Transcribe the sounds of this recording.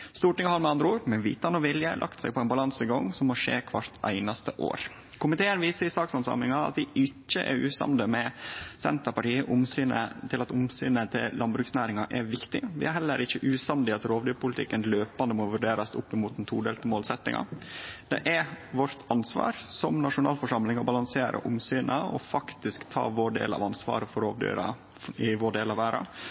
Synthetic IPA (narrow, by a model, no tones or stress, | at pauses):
st̪uːʈɪŋhɑɾmɛɑnd̪ɾəuːɾmɛʋḭːt̪ɑnɔʋɪljəlʔɑ̰kt̪sɛɪɡ̚pʰɔæɪnbɑlɑnsɪɡɔŋːsɔmːɔʂḛːkʰʋɑɾt̪æ̰ɪnɑst̪əʔo̰ːɾ | kʰʊmɪt̪ʰeːənʋiːsəɾɪsɑːksɑnsɑ̰mɪŋɑɑ̰t̪ʋɪɪt͡ʃːəʔɛ̰ɾʉ̰ːsɑ̰nd̪əmɛsɛnt̪əɾpɑʈiːəʔʊmsyːnə̰t̪ʰɪlɑt̪ʊmsyːnət̪ʰɪ̰llːɑnbɾʉːksnæːɾɪŋɑʔɛɾʋɪkt̪ɪʋɪ̰æɾɦɛlːəɾɪçːəʔʉːsɑnd̪ɪɑt̪ɾoːʋd̪yːɾpʰʊlɪt̪ʰɪ̰kːənløːpɑnd̪əmoːʋʉɖeːɾɑsʊpːɪmuːt̪̚d̪ɛnt̪ʰuːɖeːlt̪əmoːlsɛt̪ːɪ̰ŋʔɑ̰d̪̥ɛ̰ʔæʋɔɾt̪ʰɑnsʋɑ̰ːɾsɔmnɑʂʊnɑːlfɔʂɑmlɪŋɔbɑlɑŋseːɾʔə̰ʔʊmsyːnʔəɔ̰fɑkt̪ɪskt̪ʰɑ̰ːʋoːɖḛːlɑ̰ʋɑnsʋɑ̰ːɾəfɔɾoːʋd̪y̰ːɾɑ̰ | ɪʋoːɖeːlɑʋæːɾɑ̰